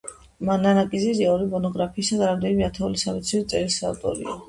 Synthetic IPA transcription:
mananakʼiziziaɔɾimɔnɔɡɾapʰiːsad̪aɾamd̪ɛnimɛat̪ʰɛulisamit̪sʰiɾit̪sʼɛɾisa̰vt̪ʼɔ̰ɾḭa

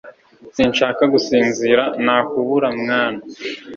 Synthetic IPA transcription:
siːnʃaːkaɡusiːnziɾanaːkuβuɾamŋaːna

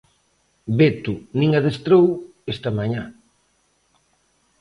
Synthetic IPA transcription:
bet̪unĩŋɐðest̪ɾow | est̪ɐmaɲa

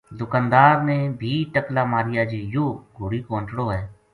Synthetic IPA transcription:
d̪ʊkaːnd̪aːɾmẽːbʱiːʈəklaːmaːɾɪjaːd͡ʒeːjoːɡʱʊɽiːkõːɳʈɽoːɦɛː

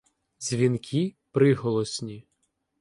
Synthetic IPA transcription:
zʲʋʲinkʲʰipɾɪɦɔlˠɔsʲnʲi

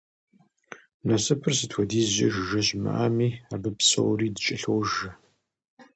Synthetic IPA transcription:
nɐsɨpʰɨrsɨtʰʷɔdiːzʑɐ̰ʒɪʒɐɕmɨ̰ʔaːmiːabɨpsɐ̰wriːdɨt͡ʃʼɪɬowʒɐ

